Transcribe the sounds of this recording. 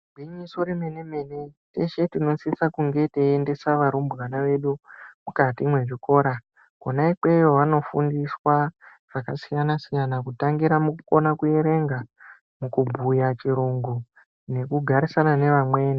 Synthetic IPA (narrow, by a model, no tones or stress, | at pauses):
ɡʱwiɲiso̞ɾeme̞neme̞ne̞teʃe̞tino̞sisakuŋɡe̞teende̞saʋaɾumbɣanaʋe̞ɗumukatimwe̞ʐiko̞ːɾa | konaikwe̞joʋano̞fṵndiswa | ʐ̥akasijanasijanakutaŋɡiɾamukuko̞nakuje̞ɾe̞ŋɡa | mukubʱujat͡ʃiɾuŋɡu | ne̞kuɡʱaɾisanane̞ʋamwe̞ːn